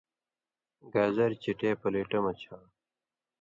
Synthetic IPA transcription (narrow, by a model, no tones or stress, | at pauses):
ɡaːzɐɾt͡ɕiʈeːpɐleːʈɐmɐt͡ɕʰaː